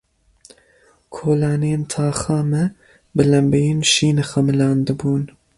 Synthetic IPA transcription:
kʰoːlɑːnijent̪ʰɑːxɑːmɛ | bɨlɛmbejeːnʃiːnɨxɐmɨlɑːnd̪ɨbuːn

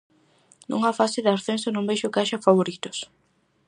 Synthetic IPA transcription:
nṵ̃ŋafasɪðaɾθensʊnũmbejʃʊkaʃɐfaβ̞oɾit̪ʊ̥s

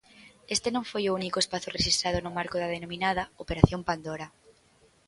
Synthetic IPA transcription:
est̪enõŋfojʊunikʊespaθʊreʃist̪ɾað̞ʊnʊmaɾkʊðɐðenominað̞ɐopeɾaθjompand̪oɾɐ

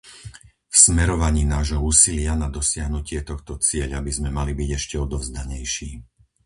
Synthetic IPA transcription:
fsmɛɾɔʋaɲiːnaːʒɦɔuːsilɪanad̪ɔsɪaɦnucɪɛt̪ɔxt̪ɔt͡sɪɛʎabizmɛmalibiɟɛʃcɛɔd̪ɔʊzd̪aɲɛjʃiː

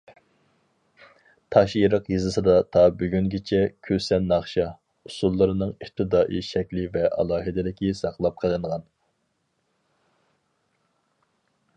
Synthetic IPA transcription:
t̪ʰɑʃjiɾəqjizɨsɨd̪ɑt̪ʰɑbyɡʲyŋɡʲit͡ʃʰɛkʲʰøsɛnːɑχʃɑ | usulˠːɨɾɨnɨŋiχ̚t̪ʰɨd̪ɑːʔiʃɛkʲlɪvɛʔɑ̰lˠɑːɦɨd̪ɪd̪ɪkʲisɑqlˠɑp̚qʰəlˠɨɴʁɑn

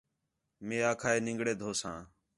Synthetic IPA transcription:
mẽːaːkʰaːeːnɪ̃ŋɡɽeːd̪ʱoːsãː

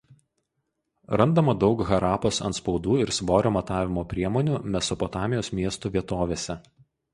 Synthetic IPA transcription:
ɾɐnd̪ɐmɐd̪ɒʊkɣɐɾɑːpoːsɐ̰nt̪spɒʊd̪uːɪɾsʋoːɾʲoːmɐt̪ɑːʋʲɪmoːpʲɾʲiɛmɔːnʲuːmʲɛsɔpɔt̪ɑːmʲɪjoːsmʲiɛst̪uːʋʲiɛt̪oːʋʲeːsʲɛ

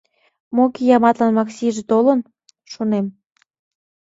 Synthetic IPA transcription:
mokejɑmɑt̪lɑnmɑksʲiʒet̪olən | ʃonem

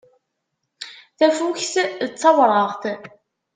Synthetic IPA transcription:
θæfuçθət͡sːɑvɾˤəʁθ

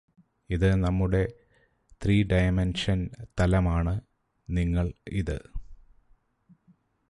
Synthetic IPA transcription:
iðɨnɐmːuɽe̞ | t̪riːɖɐjmenʂɐnt̪ɐlɐmaːɳɨ | niŋːɐɭḭðɨ

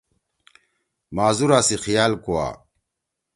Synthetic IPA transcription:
maːzuɾaːsixijaːlkowa̰ː

